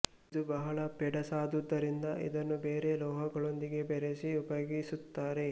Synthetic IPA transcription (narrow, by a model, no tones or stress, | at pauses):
id̪ubɐɦɐɭɐpɛɖɐsaːd̪ud̪ːɐɾind̪ɐʔḭd̪ɐnːubeːɾe̞lɔːɦɐɡɐɭo̞nd̪iɡe̞bɛɾesiupɐjoɡisut̪ːaːɾe̞